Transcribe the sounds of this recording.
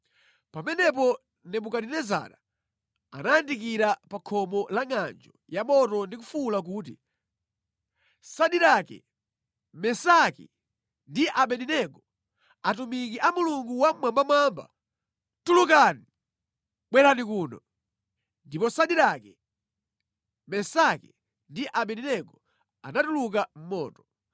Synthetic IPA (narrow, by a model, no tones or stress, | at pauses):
pamɛnɛp̬ɔ | nɛmukaɗinɛza̰ːɾa | anajandik̬iɾapakʰɔmɔlaŋand͡ʒɔjamɔtɔndik̬ufulak̬uːt̬ḭ | saɗiɾakɛ̰ | mɛsakḭ | ndiʔaɓɛninɛɡɔ | atumikiʔamuluŋɡuwamwambamamba̰ | tuluk̬ani | ɓwɛlanikuːnɔ | ndipɔsaɗiɾakɛ | mɛsaki | ndiʔaɓɛninɛɡɔ | a̰natuluk̬am̩mɔ̰ːtɔ̥